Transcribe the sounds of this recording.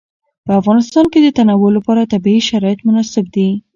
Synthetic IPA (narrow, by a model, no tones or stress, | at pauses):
pəafɣɑnɪst̪ɑnked̪ət̪anawʊlːapɑɾat̪abiiʃaɾɑjɪt̪mʊnɑsɪb̚d̪i